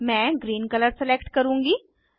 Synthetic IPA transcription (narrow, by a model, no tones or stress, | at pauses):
mɛ̃ːɡɾiːnkələɾsɛleːkʈkəɾũːŋɡiː